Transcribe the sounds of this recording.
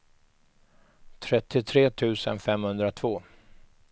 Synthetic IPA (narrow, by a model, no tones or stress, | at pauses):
t̪ʰɾɛt̪ːɪt̪ʰɾeːt̪ʰʉ̟ːsə̰nfɛmhɵnd̪ɾat̪ʰvoː